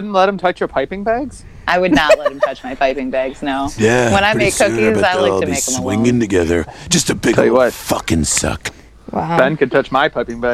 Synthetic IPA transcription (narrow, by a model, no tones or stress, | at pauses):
ʊdⁿn̩tˡlɛt̚hɨ̃m̩tʰʌt͡ʃjə˞pʰaɪpɪ̃ŋbæɡz̥ | ʔaɪwɨdⁿnətˡlɛt̚ɨ̃mtʰʌt͡ʃmaɪpʰaɪpɪ̃ŋbæɡz̥noʊjæwə̃naɪ̥meɪkkʰːʊkizbʌaɪlaɪl̩ˠbieɪkswɪ̃ŋɪ̃ŋtɨɡɛðə̰˞d̥ʒ̥ʌstɨbɪɡʰɛlˠjɨwʌt̚fʌkɨ̃nsʌ̰k | wb̥ɛ̃nkɨd̚tʰʌt͡ʃmaɪpʰaɪpɪ̃ŋbæ